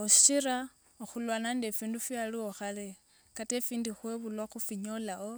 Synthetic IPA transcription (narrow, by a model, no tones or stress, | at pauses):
oʃiɾa | oxulwanandefiːndufjalioxale | katefiːndixweβulwaxufiɲolao